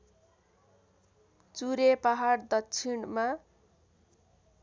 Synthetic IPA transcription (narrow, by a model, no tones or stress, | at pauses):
t͡suɾepaɦard̪ʌtːt͡sʰiɳma